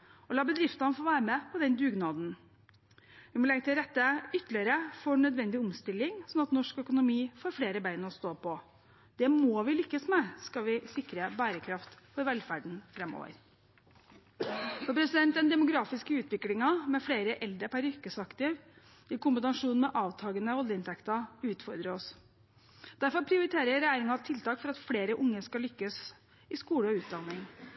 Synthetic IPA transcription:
ɔlɑːbəd̪ɾɪft̪ɑnfoːʋæːɾəmɛpʰɔd̪ɛnd̪ʉːɡnɑːd̪n̩ | ʋɪmɔlɛŋt̪ʰːɪlɾɛt̪ːəʏt̪ːəlɪəɾəfɔɳœd̪ʋɛnd̪ɪɔmst̪ɪlːɪŋsɔnɑt̪nɔʂkœkʊnʊmiːfoːɾfleːɾəbæɪnɔst̪oːpʰɔ | d̪̥ɛmoːʋɪlʏkːəsmɛskɑʋɪsɪkɾəbæːɾəkʰɾɑft̪fɔɾʋɛlfæɖɳ̩fɾɛmːo̰ːʋə̰ɾ | fɔɾpʰɾɛsɪd̪ɛnt̪d̪ɛnd̪ɛmʊɡɾɑːfɪskəʉːt̪ʋɪklɪŋɑmɛfleːɾəʔɛld̪ɾəpʰæɾʏkːəsɑkt̪ɪʋ | ɪkʊmbənɑʂuːnmɛʔɑːʋt̪ʰɑːɡənəʋɔljəɪnt̪ʰɛkt̪ɑʉːt̪fɔɾd̪ɾəɔs | d̪̥æɾfɔɾpʰɾɪʊɾɪt̪ʰeːɾəɾjæɾɪŋɑt̪ʰɪlt̪ʰɑːkfɔɾɑt̪fleːɾəʔʊŋːəskɑlʏkːəs | ɪskuːləɔʉːt̪̚d̪ɑnːɪŋ

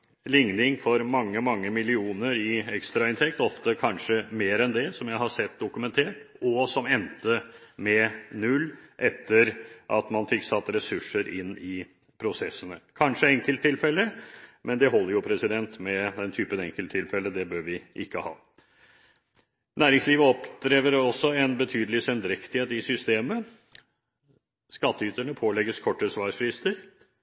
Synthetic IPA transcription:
lɪŋnɪŋfɔɾmɑŋːəmɑŋːəmɪlɪuːnəɾɪɛkst̪ɾɑɪnt̪ʰɛk̚t̪ɔft̪əkʰɑnʂəmeːɾɛnd̪ɛsɔmjæɪhɑsɛt̪̚d̪ʊkʉmɛnt̪ʰeːʈɔsɔmɛnt̪əmɛnʉlːʔɛt̪ʰːəɾʔɑt̪mɑnfɪkːsɑt̪ːɾɛsʉʂːəɾɪnːɪ | pʰɾʊsɛsːənəkʰɑnʂəɛŋkəlt̪ʰːɪlfɛlːəmɛnd̪ɛɦɔlːəɾjʊpʰɾɛsɪd̪ɛnt̪mɛd̪ɛnt̪ʰyːpənɛŋkəlt̪ʰːɪlfɛlːəd̪ɛbøːɾʋɪʔɪkːəhɑ̰ː | næːɾɪŋsliːʋəɔpd̪ɾeːʋəɾɔsːɔɛnbət̪ʰyːd̪əlɪsɛnd̪ɾɛkt̪ɪheːt̪ɪsʏst̪eːmə | skɑt̪ːəyt̪əɳəpʰoːlɛɡːəskʰɔʈːəsʋɑːʂfɾɪst̪əɾ

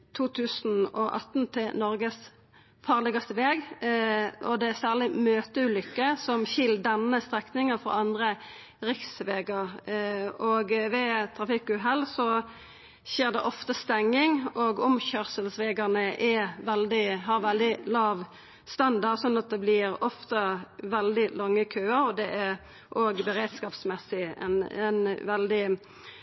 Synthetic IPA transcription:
t̪ʰuːt̪ʰʉːsn̩ɔʔɑ̰t̪nt̪ʰɪlnɔɾɡəs | fɑːʁlɛɡɑst̪əʋeːɡ | ʔɔd̪ɛæsæːʁlɪmøːt̪əʉːlʏkːəsɔmçɪlːd̪ɛnːəst̪ʁɛknɪŋəfɔ̰ɑnd̪ʁə | ʁɪksʋeːɡɑɾ | ɔɡʋɛt̪ʰɾɑfɪkʉɦɛlːsɔ | ʃeːʁd̪ɛʔɔft̪əst̪ɛŋːɪŋoɡɔmçœʁsəlsʋeːɡəʁnəʔɛʋɛld̪ɪɦɑʁʋɛld̪ɪlɑːʋ | st̪ɑnd̪ɑsɔnːɑt̪̚d̪ɛblɪɾɔft̪əʋɛld̪ɪlɑŋːəkʰøːəɾɔd̪ɛʔæɾ | ʔoːɡbəɾeːd̪skɑːpsmɛsɪɛ̰nɛnʋɛld̪ɪ

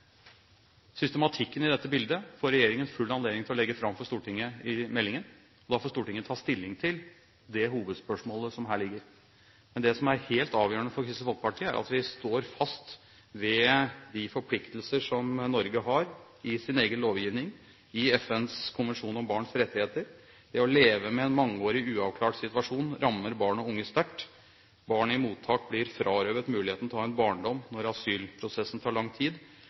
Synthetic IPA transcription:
sʏst̪əmɑt̪ʰɪkːənɪd̪ɛt̪ːəbɪld̪əfoːɾɛjeːɾɪŋənfʉlːɑnleːd̪ɪŋt̪ʰɪlɔlɛɡːəfɾɑmfɔʂt̪uːʈɪŋːəɪmɛlːɪŋən | ɔd̪ɑfɔːʂst̪uːʈɪŋːət̪ʰɑːst̪ɪlːɪŋt̪ʰɪl | d̪ɛhuːʋəd̪spœʂmoːləsɔmɦæːɭɪɡːəɾ | mɛnd̪ɛsɔmæɾheːlt̪ɑːʋjøːəɳəfɔɾkʰɾɪst̪əfɔlk̚əpɑʈʰiːəæ̰ɾʔɑ̰t̪ʋɪst̪oːɾfɑst̪ | ʋɛd̪ɪfɔɾpʰlɪkt̪əlsəʂɔmnɔɾɡəɦɑɾ | ɪsɪneːɡənloːʋjiːʋnɪŋ | ɪɛfɛnskʰʊnʋɛnʂuːnɔmbɑːɳsɾɛt̪ːɪheːt̪əɾ | d̪̥ɛɔleːʋəmɛɛnmɑŋːəoːɾɪʉːɑʋkʰlɑːʈsɪt̪ʋɑʂuːnɾɑmːəɾbɑːɳɔʊŋːəst̪æʈː | bɑːɳəɪmuːt̪ʰːɑːk̚blɪɾfɾʔɑːɾøːʋət̪mʉːlɪheːt̪nɔhɑːɛnbɑːɳɖɔmnɔɾɑsyːlpʰɾʊsɛsːn̩t̪ʰɑːɭɑŋːt̪ʰiːd̪

